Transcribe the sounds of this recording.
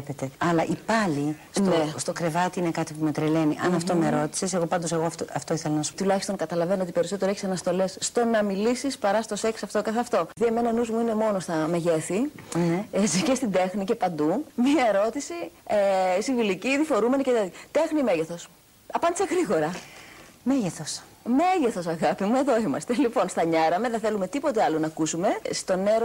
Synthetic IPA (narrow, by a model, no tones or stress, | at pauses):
pet̪eɐlɐʔipɐli | snest̪okɾe̞vɐt̪iine̞kɐt̪ipumet̪ɾele̞niʔɐnɐft̪omeɾo̞t̪i̥sese̞ɣo̞pɐnd̪oseɣot̪ɐft̪oiθelonɐst̪ulɐçist̪o̞ŋkɐt̪ɐlɐve̞noot̪ipe̞ɾiso̞t̪eoeçi̥sɐnɐst̪o̞le̞sːt̪o̞nɐmilisispɐɾɐst̪o̞se̞ksɐft̪okɐθeɐft̪o̞ðieme̞nɐnuzmuine̞mo̞no̞st̪ɐme̞ʝe̞θinezicest̪ind̪e̞xnice̞pɐnd̪umɲɐe̞ɾo̞t̪isiesiviliciðifo̞ɾume̞nicet̪eðit̪e̞xnime̞ʝeθo̞s | ɐpɐnd̪ise̞ɣɾiɣo̞ɾɐ | meʝeθos | me̞ʝeθo̞sɐɣɐpimue̞ðo̞imɐst̪elipo̞nst̪ɐɲɐɾɐmeðenθe̞lume̞t̪ipo̞t̪eɐlo̞nɐːkusume̞st̪o̞ne̞ɾo